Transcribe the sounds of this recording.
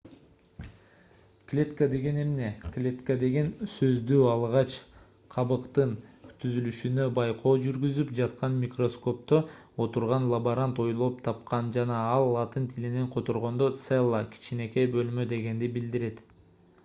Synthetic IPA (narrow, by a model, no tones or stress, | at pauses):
klʲet̪kəd̪e̞ɡe̞ne̞mne̞klʲe̞t̪kad̪e̞ɡe̞nsøzd̪yːɑlˠʁɑt͡ʃ | qʰɑβɯqt̪ɯnt̪ʰyzylyʃynø̞bɑjqʰo̞ːd͡ʒyɾɡyzypd͡ʒɑt̪qɑnmʲikro̞sko̞p̚t̪o | ot̪uɾʁɑnlˠaboɾant̪o̞jlˠopt̪ʰɑp̚qɑnd͡ʒɑnɑɑlˠːɑt̪ɯnt̪ʰilineɴqʰo̞t̪oɾʁo̞nd̪ot̪selˠːakʲʰi̥t͡ʃine̞ke̞bø̞lmø̞d̪e̞ɡe̞nd̪ibild̪iɾe̞t̪